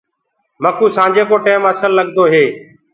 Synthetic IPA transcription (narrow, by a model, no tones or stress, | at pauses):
məkuːsãːd͡ʒeːkoːʈeːməsəlːəɠd̪oːɦeː